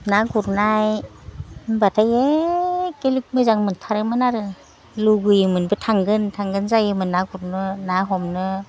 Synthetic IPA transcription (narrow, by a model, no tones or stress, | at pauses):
naɡuɾnaj | batʰaje | kelik̚mɯzaŋmɯntʰaɾɯmɯnaɾɯ | luɡɯjɯmɯnbɯtʰaŋɡɯntʰaŋɡɯnzajɯmɯnaɡuɾnɯnaɦɔmnɯ